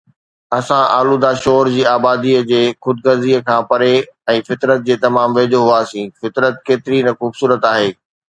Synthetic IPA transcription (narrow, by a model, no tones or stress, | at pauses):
ɐsãʔa̰ːlud̪aːʃɔːɾd͡ʑiːaːbaːd̪iəd͡ʑeːxʊd̪̚ɡɐɾziəkʰãːpɐɾeɛ̃ːfɪt̪ɾət̪̚d͡ʑeːt̪ɐmaːmʋeːd͡ʑoɦʊaːsĩːfɪt̪ɾət̪̚keːt̪ɪɾinɐxuːbsuːɾət̪aːɦeː